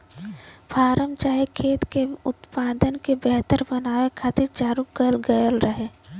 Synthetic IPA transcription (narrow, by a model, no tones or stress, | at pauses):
pʰaːɾəmt͡ʃaːɦikʰeːt̪keʊt̪paːd̪ənkebɛɦt̪əɾbənaːwekʰat̪it͡ʃaːɾuk̚ɡəjəlɡəjəlɾəɦeː